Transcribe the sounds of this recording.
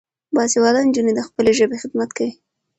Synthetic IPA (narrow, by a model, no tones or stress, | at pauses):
bɑsewad̪ɑnnd͡ʒuned̪əxpəleʒəbexɪd̪mat̪kawi